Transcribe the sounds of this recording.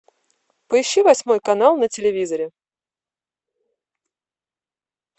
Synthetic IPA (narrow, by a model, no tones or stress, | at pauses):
pəɪɕːivɐsʲmo̞jkɐnalˠnətʲɪlʲɪvʲizəɾʲɪ